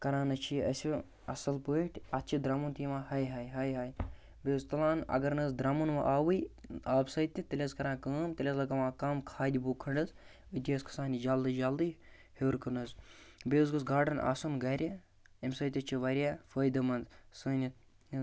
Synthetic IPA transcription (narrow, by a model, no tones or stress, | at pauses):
kɐɾaːnɐt͡ʃʰiɐsʲi | ɐ̰sɐlpəiʈʰʲɐt̪t͡ʃʰid̪ɾɐmunt̪imãːhɐjɦɐjɦɐjɦaːj | beːzt̪ɐlaːnɐ̰ɡɐɾnɐzd̪ɾɐmunʋɐ̰ʔaːwɨjaːbsɐt̪ʲit̪ɐlʲɐzkɐɾãːkəːmt̪ɐlʲɐzlɐkɐmãːkɐːmkʰaːd̪ʲiboːkʰɐɳɖɐz | ɨt̪ʲiɐskʰɐ̥saːnʲid͡ʒald̪ɨd͡ʒald̪ɨ | heːɾkɨnɨzbeːzɡɨzɡaːɖɐnʔa̰ːsɐnɡɐɾʲɐ | imsɐjt̪ʲɐt͡ʃʰiʋɐɾʲjaːfəːjd̪ɐmɐnd̪sɨːnʲi